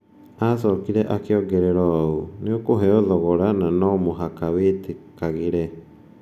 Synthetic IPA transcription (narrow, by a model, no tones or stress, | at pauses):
asɔkiɾɛʔakeɔɡɛɾɛɾɔuniokoɦɛɔðɔɣɔɾananɔmoɦakawetekaɣiɾe